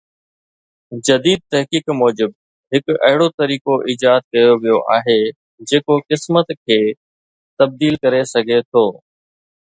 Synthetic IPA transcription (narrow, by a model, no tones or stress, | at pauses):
d͡ʑɐd̪iːd̪̚t̪ɐɦkiːkmɔːd͡ʑɪb̚ | ɦɪkɐɦɪɽot̪ɐɾiːkoʔiːd͡ʒaːt̪̚kɐjoʋijoʔaːɦe | d͡ʑeːkokɪsmət̪kʰeː | t̪ɐb̚d̪iːlkɐɾesɐɡʱet̪ʰoː